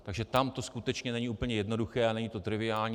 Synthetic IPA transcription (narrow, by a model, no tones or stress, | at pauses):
aɡʒɛt̪amt̪o̞skut̪ɛt͡ʃɲɛnɛɲiʔuːpl̩ɲɛjɛdno̞duxɛːʔanɛɲit̪o̞t̪ɾɪvɪaːlɲi